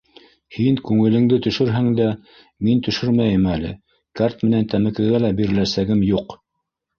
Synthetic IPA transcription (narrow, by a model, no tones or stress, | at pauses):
hiŋkʉŋɘ̆lɘ̆ŋd̪ɘt̪ɵ̆ʃɵɾɦæŋd̪æ | mint̪ɵ̆ʃɵɾmæjɘmælɘ̰ | kaɾt̪mɘ̆nænt̪æmɘ̆kɘ̆ɡælæbiɾɘ̆læsæɡɘmjuq